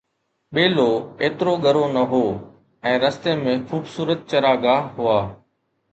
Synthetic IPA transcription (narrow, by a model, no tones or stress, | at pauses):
ɓeːloːeːt̪ɾoɠʱəɾonɐɦoː | ɛ̃ːɾɐst̪emẽxuːbsuːɾət̪̚t͡ʃɐɾaːɡaːɦɦʊaː